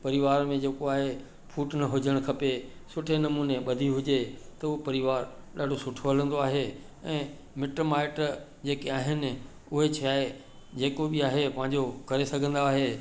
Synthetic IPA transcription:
pɐɾɪʋaːɾmẽd͡ʑeːkoaːɦe | fʰuːʈnɐɦʊd͡ʑʱəɽ̃kʰɐpesʊʈʰenɐmuːneɓɐd̪ʱiɦʊd͡ʑet̪ɐʊopɐɾɪʋaːɾɗaːɖʱosʊʈʰoɦɐlə̃nd̪oaːɦe | ɛ̃ː | mɪʈmaːɪʈ | d͡ʑeːkeaːɦɪnɪ̆ | ʊɦet͡ɕʰiaːe | d͡ʑeːkoɓiaːɦepɐ̃ɦɪ̃ɲd͡ʑokɐɾesɐɡʱə̃n̆d̪aːɦe

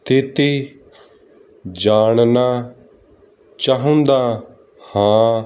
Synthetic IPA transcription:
st̪ʰɪt̪iː | d͡ʒaːɳnaː | t͡ʃaːɦʊ̃nd̪aː | hãː

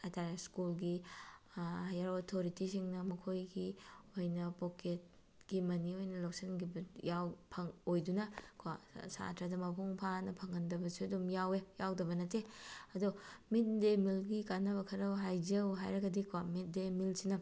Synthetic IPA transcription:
ataɾeskulɡi | hajɐɾotʰoɾitisiŋnɐmɐkʰojɡiojnɐpoket̚ | ɡ̥imɐniojnɐlɐwsɐnɡibujawpʰɐŋojdunɐkʰasa̰tʰɾɐdɐmɐpʰuŋpʰanɐpʰɐŋɐndɐbɐsuɐdumjawejawdɐβɐnɐteɐdumit̚demilɡikanɐbɐkʰɐɾɐwɦajd͡ʒɐwɦajɾɐɡɐdikʰwamit̚demilsinɐ

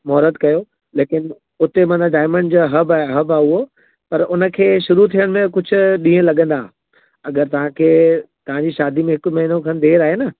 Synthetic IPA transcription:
mɔɦɾəd̪kɐjo | leːkɪn | ʊt̪emɐ̃nd̪aɖaːɪmə̃ɳɖd͡ʑaːɦɐbaːɦɐbaːʊɦo | pɐɾʊnə̆kʰeːʃʊɾut̪ʰijəɽ̃mẽkʊd͡ʑʱʊ̆ɗĩːə̃lɐɠə̃nd̪ãː | ɐɡəɾt̪ɐʋ̤ãkʰeːt̪ɐʋ̤ãɲd͡ʑiːʃaːd̪imẽɦɪkʊ̆mɐɦɪnokʰɐ̃nd̪eːɾaːɦenɐ

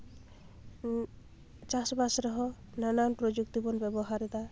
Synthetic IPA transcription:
t͡ʃasbasɾɔɦɔ | nananpɾod͡ʒuk̚t̪ibɔnbebɔɦaɾd̪a

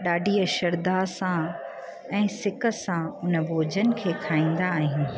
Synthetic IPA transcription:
ɗaːɖʱiːəʃɐɾd̪asã | ɛ̃ːsɪkə̆sãʊnə̆bʱoːd͡ʑʱənɪ̆kʰeːkʰaːĩːn̆d̪aːɦɪ̃nɪ̆

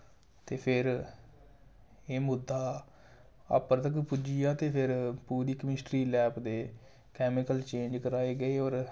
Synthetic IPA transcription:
t̪eːpʰɪɾ | eːmʊd̪ːaː | ə̰pəɾt̪əkpʊd͡ʒijaːt̪eːpʰɪɾpuːɾiːkəmɪsʈɾiːlɛːpd̪eː | kɛːmɪkəlt͡ʃẽːd͡ʒkəɾaːeːɡəeːɔːɾ

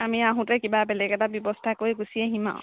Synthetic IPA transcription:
amiaɦũtɛkibabɛlɛkɛtabjɔbɔstʰakojɡusiaɦĩmã̰ʊ̃

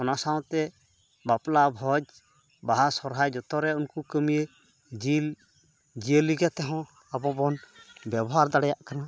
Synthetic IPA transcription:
ɔnasaw̃t̪ɛ | baplabʱɔd͡ʒ | baɦasɔɾɦajd͡ʒɔt̪ɔɾɛunkukəmije | d͡ʒil | d͡ʒiəliɡat̪ɛɦɔ̃ | abɔbɔnbɛbɔɦaɾd̪aɽɛjaʔkana

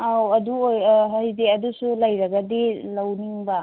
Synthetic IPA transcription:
awɐduojɦɐjdeɐdusulɐjɾɐɡɐdilɐwniŋbɐ

